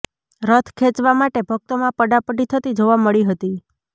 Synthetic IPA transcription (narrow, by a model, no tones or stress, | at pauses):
ɾət̪ʰkʰẽt͡ʃʋamaʈebʱək̚t̪omãpəɖapəɖit̪ʰət̪id͡ʒoʋaməɭiɦət̪i